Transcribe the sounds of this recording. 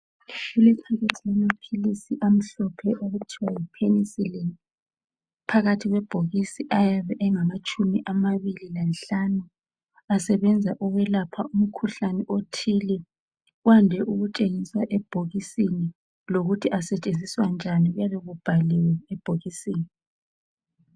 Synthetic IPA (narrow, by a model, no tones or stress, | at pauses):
ʃulitʰaɣɛǀʰʼamapʰilisiʔam̩ɬɔpʰɛʔuɣutʰiwajipʰenisilɛn | pʰaɣatʰiɣwɛb̥ʱoɣisiʔajaβɛʔɛŋamat͡ʃʼʰumiʔamaβililanɬanu | asɛβɛnd͡zʱaʔuɣɛlapʰaum̩kʰuɬanɛʔotʰilɛ | wandʱɛʔuɣut͡ʃʼeŋiswaʔɛb̥ʱoɣisini | loɣutʰiʔasɛt͡ʃʼend͡zʱiswand͡ʒʱaniɣujaβɛɣub̥ʱaliwɛɛb̥ʱoɣisiːni